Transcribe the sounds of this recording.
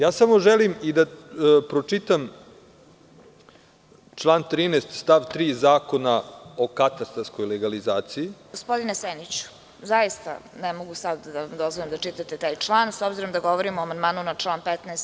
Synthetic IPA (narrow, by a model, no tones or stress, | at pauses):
jaːsamoʒelimid̪apɾot͡ʂit̪am | t͡ʃlˠaːnt̪ɾiːnest̪st̪aʋt̪ɾiːzaːkonaokat̪ast̪asko̞jleɡalizaːt̪sijiɡospo̞d̪inesenit͡ɕu̥ | zaist̪a̰nɛmoɡusad̪d̪aʋamd̪o̞zʋojemd̪at͡ʂit̪at̪et̪aːjt͡ʂlˠaːnsobziɾo̞md̪aɡo̞ʋoɾimuamand̪maːnunaʈ͡ʂlˠaːnpɛt̪neːst̪